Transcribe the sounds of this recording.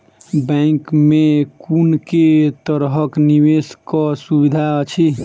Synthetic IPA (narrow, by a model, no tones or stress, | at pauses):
bɛ̃ŋkmẽkunket̪əɾɦəkniʋeskɔsubid̪ʱaət͡ʃʰi